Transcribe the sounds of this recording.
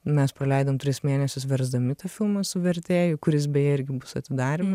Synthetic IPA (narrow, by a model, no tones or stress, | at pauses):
mʲɛspɾɐlʲɛɪd̪omt̪ʲɾʲɪsmʲeːnʲɛsʲʊsʋʲɛɾzd̪ɐmʲɪt̪ɐfʲɪlˠmɐsʊʋʲɛɾʲt̪ʲeːjʊkʊɾʲɪsbʲɛjɪɾʲɡʲɪbʊsɐt̪ʲɪd̪ɑːɾʲɪmɐ